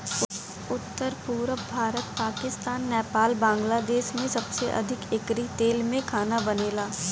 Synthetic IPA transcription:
ʊ | ʊt̪ːəɾpuːɾbʱaːɾət̪̚paːkɪst̪aːnːɛːpaːlbãːŋɡlaːd̪eːʃmẽsɐbseʔɐ̰d̪ʱɪkɪkɾit̪eːlmẽkʰaːnabɐneːlaː

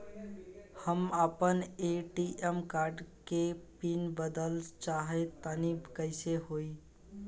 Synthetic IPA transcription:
həməpəneʈiʔemkaɾɖkepinbəd̪əlt͡ʃaɦet̪ənibkəɪseɦoi

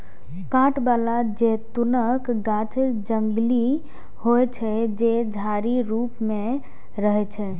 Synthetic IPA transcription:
kãʈbalad͡ʒet̪unəkɡãt͡ʃd͡ʒəŋɡli | hojt͡ʃʰɛd͡ʒed͡ʒʱaɾiɾupme | ɾəɦɛt͡ʃʰɛ

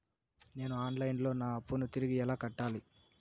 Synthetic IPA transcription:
ne̞ːnuaːnlɐjnlo̞ːnaːɐpːunut̪iɾiɡiɛlaːkɐʈːaːli

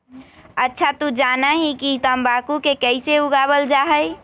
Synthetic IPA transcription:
ətːʃʰat̪ud͡ʒanaɦikit̪əmbakukekəɪseuɡabəld͡ʒaːɦəj

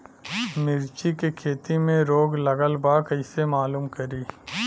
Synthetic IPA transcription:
mɪɾt͡ʃikekʰeːt̪imẽɾoːɡlɐɡəlbakɐɪsemaːluːmkɐɾiː

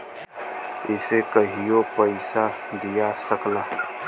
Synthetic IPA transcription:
ɪsekəɦijopəɪsad̪ijasəklaːɦ

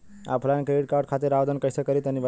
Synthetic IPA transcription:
a̰pʰlankɾeɖ̚kaɾɖkʰat̪iɾaʋd̪ʱənkəjsekəɾit̪ənib

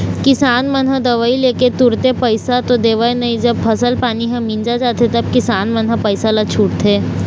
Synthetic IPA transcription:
kisanmənɦəd̪ɐʋaileket̪uɾt̪epəjsat̪od̪eːʋajnəɦid͡ʒəb̚fəsəlpaniɦə̃mind͡ʒad͡ʒat̪et̪əb̚kisanmənɦəpəjsalat͡ʃʰuːʈt̪ʰe

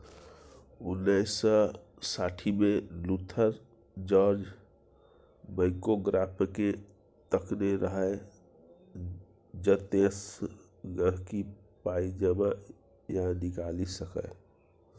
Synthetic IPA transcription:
ʊnːəɪsə | saːʈʰimẽlut̪ʰəɾ | d͡ʒɔːɾd͡ʒ | bəɪkoɡɾaːpʰke | t̪əkʰneɾəɦəe | d͡ʒət̪es | ɡəɾkipaːid͡ʒəma | jãnɪkaːlisəkə̰

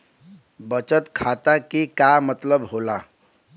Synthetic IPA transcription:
bət͡sət̪kʰat̪akikamət̪ləbɦola

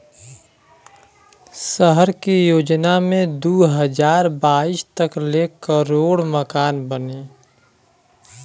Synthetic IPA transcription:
səɦəɾkijoːd͡ʒnamẽd̪uɦəd͡ʒaːɾbaːist̪əklekəɾoːɽməkaːnbəneː

